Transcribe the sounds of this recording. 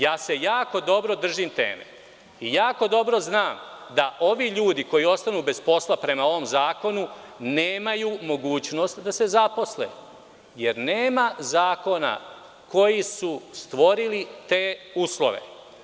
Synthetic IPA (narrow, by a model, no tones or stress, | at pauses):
jaːse̞jaːko̞d̪o̞bɾo̞d̪r̩ʒimt̪e̞̰ːmḛ | ijaːko̞d̪o̞bɾo̞znaːmd̪aʔo̞ʋiʎuːd̪iko̞jio̞st̪anuːbe̞spo̞slapɾe̞mao̞ʋo̞mzaːko̞nuneːmajumo̞ɡuːt͡ɕno̞st̪d̪ase̞zapo̞slḛː | je̞ɾneːmazaːko̞na̰ | ko̞jisust̪ʋo̞ɾilit̪eːuːslˠo̰ʋḛ